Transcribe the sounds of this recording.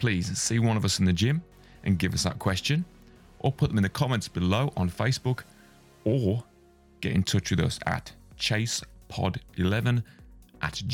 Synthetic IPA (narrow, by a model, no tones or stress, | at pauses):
pʰl̥iːz̥siːwʌ̃nəvəsɪ̃n̩ðəd͡ʒɪ̃m | ʔə̃nɡɪvəsðə̰t̚kʰw̥ɛst͡ʃə̃n | ʔəpʰʊʔ̚ðə̃mɪ̃nðəkʰɒmɛ̃ntsb̥ɪloʊʔə̃nfeɪsb̥ʊk | ə | ɡ̥ɛ̰tɪ̃ntʰʊt͡ʃwɪðə̰sə̰ʔtt͡ʃʰeɪspʰɒ̰dɪlɛvə̃nʔə̰ʔ